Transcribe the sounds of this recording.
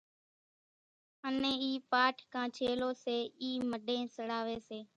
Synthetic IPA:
ənẽːiːpaːʈʰkʰãːt͡ʃʰeːloːseːiːməɗẽːsəɽaːʋeːseː

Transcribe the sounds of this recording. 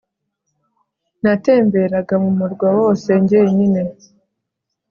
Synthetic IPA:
nate̞ːmbe̞ɾaɡamumuɾɡwawo̞ːse̞ɲɟeɲine̞

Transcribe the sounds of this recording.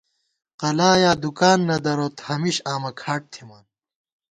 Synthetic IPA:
qɐlaːjaːd̪ukaːnːɐd̪ɐɾoːt̪hɐmiɕaːmɐkʰaːʈ̚t̪ʰimaːn

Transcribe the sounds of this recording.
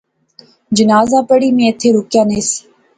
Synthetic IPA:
d͡ʒənaːzaːpəɽiːmẽːət̪ʰːeːɾʊkjãːnẽːsi̥ː

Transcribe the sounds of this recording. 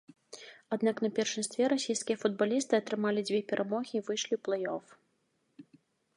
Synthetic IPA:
ad̪naknɐpʲɛrʂɨmst̪vʲɛɾasʲijskʲijɐfud̪̚balʲist̪ɨɐt̪ɾɨmalʲid͡zʲvʲɛpʲɛɾʔamɔɣʲiːvɨʂlʲiuplˠɛjɔf

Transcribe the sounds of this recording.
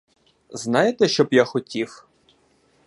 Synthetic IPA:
znɑjet̪ɛʃt͡ʃɔbjaxɔtʲiw

